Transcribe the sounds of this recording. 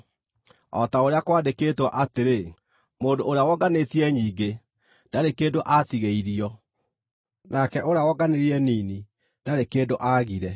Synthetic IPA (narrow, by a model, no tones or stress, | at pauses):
ɔ̰taoɾeakwaːndekeːtwaʔateɾe | moːndoʔoɾeawɔɡanetiɛɲiːɡe | nd̥aɾekeːdoʔatiɣeiɾiɔ | nakɛʔoɾeawɔɡaneɾiɛniːni | d̥aɾekeːdoʔaɣiɾɛ